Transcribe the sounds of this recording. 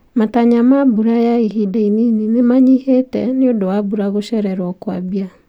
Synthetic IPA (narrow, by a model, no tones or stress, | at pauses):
mataɲamabuɾajaiɦidainininemaɲihetɛneodowabuɾaɣoʃɛɾɛɾwɔkwabia